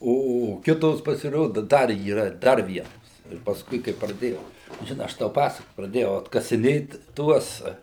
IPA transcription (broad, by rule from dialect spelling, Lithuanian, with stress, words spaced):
ˈoː oː ˈkʲɪtoːs pɐsʲɪˈroːdʊ ˈdɐr iːˈrɐ ˈdɐr ˈʋʲiɛnoːs ɪr pɐsˈkʊɪ kɐɪ prɐˈdʲeːjɛʊ ʒʲɪˈnɐɪ ˈɐʃ tɐʊ ˈpɑːsɐk prɐˈdʲeːjɛʊ ɐtkɐsʲɪˈnʲeːt ˈtuɔs